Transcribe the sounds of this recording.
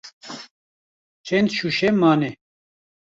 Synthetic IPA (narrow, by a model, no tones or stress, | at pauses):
t͡ʃʰɛnd̪ʃuʃɛmaːnɛ